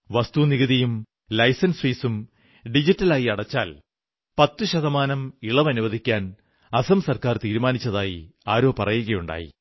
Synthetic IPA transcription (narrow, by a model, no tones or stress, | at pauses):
ʋɐst̪uniɣɐðijum | lɐjsɐnsfiːsum | ɖid͡ʑitːɐlaːjiɐɽɐt͡ɕːa̰ːl | pɐt̪ːuɕɐðɐmaːnɐmiɭɐʋɐnuʋɐðʱikʲːaːn | ɐsɐmsɐrkaːrt̪iːɾumaːnit͡ɕːɐðaːjḭaːɾo̞ːpɐrɐjuɣɐjuɳɖa̰ːjḭ